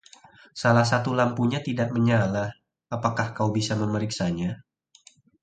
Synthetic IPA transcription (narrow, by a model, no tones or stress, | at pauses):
salahs̬at̪ulampuɲat̪idaʔ̚məɲalah | apakahkaubisaməməɾiksaɲa